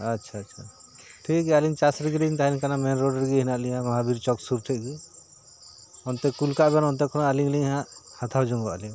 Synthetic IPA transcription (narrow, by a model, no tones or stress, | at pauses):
atːt͡ʃʰaatːt͡ʃʰaʈʰikɛaliŋt͡ʃasɾiɡiliŋt̪aɦɾiŋkanamɛnɾɔɖɾɡiɦinaʔliɲãmɔɦabiɾt͡ʃɔksuɾʈʰɛʔɡi | ɔnt̪ɛkulkaʔbɛnɔnt̪ɛkʰɔnaaliŋliŋɦãʔhat̪ʰawd͡ʒɔŋɡɔʔliŋ